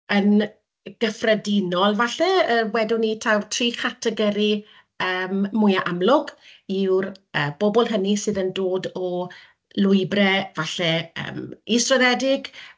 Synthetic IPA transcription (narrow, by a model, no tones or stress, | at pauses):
ən | ɡ̥əfrədɪnɔlˠvaɬɛəwɛdʊnitʰawrtʰriːχatʰɛɡɛɾi | əːmmʊjaʔamlʊɡ̥iwrəːb̥ɔbɔlˠɦənisɨːðəndoːdɔ | lʊɨbrɛvaɬɛə̰ːmistrɔðɛdɪɡ̥